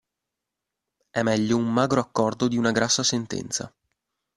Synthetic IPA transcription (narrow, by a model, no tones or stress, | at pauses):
ɛmɛʎːoumːaːɡɾoakːɔrd̪od̪iunaɡɾasːasent̪ɛ̰nt̪sa̰